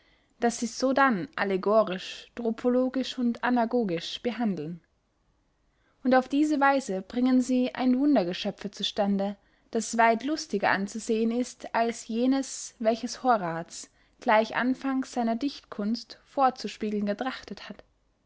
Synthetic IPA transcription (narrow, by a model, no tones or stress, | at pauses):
d̥asz̥iːz̥oːdanʔa̰leɡoːʁɪʃd̥ʁopʰoloːɡɪʃʊntanaɡoːɡɪʃb̥əɦandl̩n | ʔʊntaʊfd̥iːzəvaɪzəb̥ʁɪŋənziːʔa̰ɪnvʊndɐɡəʃœp͡fət͡suʃtandə | d̥asv̥aɪtlʊstɪɡɐʔant͡suzeːənɪstalsjeːnəsvɛlçəshoːɐʁaːt͡s | ɡ̥laɪçʔa̰nfaŋsz̥aɪnɐdɪçtkʰʊnstfoːɐt͡suʃpiːɡl̩nɡətʁ̥aχtəthat